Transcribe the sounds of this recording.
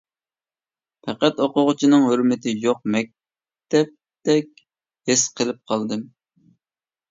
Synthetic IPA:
pʰɛqæt̪oqʊʁʊt͡ʃʰinɨŋɦøɾmɪt̪ʰɪjoq̚mɛk̚ʲ | t̪ɛp̚ | t̪ɛkʲ | hɪsqʰəlˠɪp̚qʰɑlˠd̪ɨm

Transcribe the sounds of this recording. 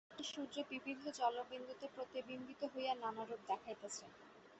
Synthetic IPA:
iʃud̪ɾebibid̪ʱːod͡ʑɔlobend̪ut̪epɾot̪ebimbit̪oɦojananaɾub̚d̪ɛkʰajt̪et͡ɕʰen

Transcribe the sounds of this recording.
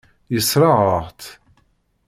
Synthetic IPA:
jəsɾˤɑʁəʁt̪

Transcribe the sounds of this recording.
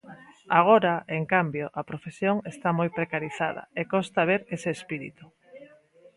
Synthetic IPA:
aɣ̞oɾaʔeŋkambjoʔapɾofesjoŋest̪amojpɾekaɾiθaðɐ̰ekost̪aβ̞eɾeseːspiɾḭt̪u̥

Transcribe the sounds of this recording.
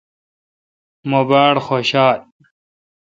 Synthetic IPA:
mobaːjɽxoːɕaːl

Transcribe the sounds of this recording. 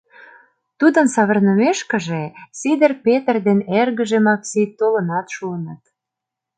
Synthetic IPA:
t̪ud̪ə̆nsɑβə̆rnə̆meʃkə̆ʒesid̪ərpet̪ərd̪enerɣə̆ʒemɑksit̪ːolə̆nɑt̪ʃuənət̪

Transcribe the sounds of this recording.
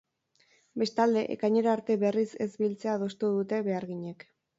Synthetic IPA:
be̞st̪ald̪e̞ʔḛkajɲeɾoaɾt̪e̞βe̞rise̞zbilt͡se̞að̞o̞st̪uðut̪e̞βe̞aɾɣiɲe̞k

